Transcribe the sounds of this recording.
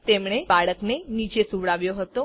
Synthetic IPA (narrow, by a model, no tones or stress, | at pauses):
t̪emɽ̃ebaɭəknenid͡ʒesuʋɭaʋjoɦət̪o